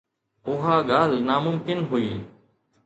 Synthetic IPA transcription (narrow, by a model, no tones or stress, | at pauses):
ʊɦaːɡaːlnaːmʊmkɪnɦʊiː